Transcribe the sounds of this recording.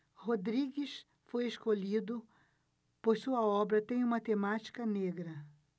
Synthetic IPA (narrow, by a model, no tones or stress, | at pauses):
hod̪ɾiɡɪs | fojeskolid̪ʊ | pojsuɐɔbɾɐt̪ẽj̃ũmɐt̪emat͡ʃi̥kɐneɡɾɐ